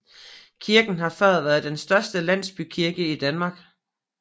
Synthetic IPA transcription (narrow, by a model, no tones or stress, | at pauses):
kʰiɐɡ̥n̩ɦɑ̈fɶɐðˠʋæɐð̩ˠd̥ensd̥ɶɐsd̥əlæn̰sb̥ykʰiɐɡ̥əid̥ænmɑ̈ːɡ̥